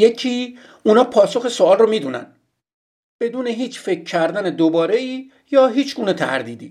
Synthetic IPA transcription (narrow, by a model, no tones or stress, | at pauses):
ecʰiː | unɒːpʰɒːso̞xesoɒːlromiːd̪uːnæ̰n | b̥e̞d̪uːne̞ɦiːt͡ʃfe̞kʰcʰːæɾd̪æned̪obɒːɾe̞iː | jɒːɦiːt͡ʃʰɡuːne̞t̪ʰæ̰ɾd̪iːd̪iː